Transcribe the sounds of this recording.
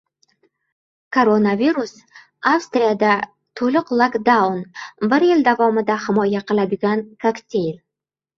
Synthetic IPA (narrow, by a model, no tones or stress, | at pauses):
kʰoɾo̞naviɾus | afst̪ɾijad̪a | t̪ʰolʊqlˠakd̪awnbɪɾjɪld̪avɒmɪd̪ahɪmɒjaqʰɨlˠad̪ɪɡʲankʰakt̪ʲʰe̞jl